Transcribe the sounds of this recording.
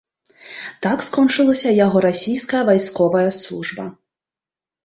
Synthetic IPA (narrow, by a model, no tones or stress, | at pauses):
t̪akskɔnt͡ʂɨlˠɐsʲɐjaɣɔɾasʲijskɐjɐvajskɔvɐjɐslˠuʐbɐ̰